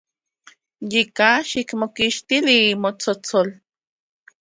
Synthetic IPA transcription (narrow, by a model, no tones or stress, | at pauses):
jikaʃikmokiʃt̪iliːmot͡sot͡sol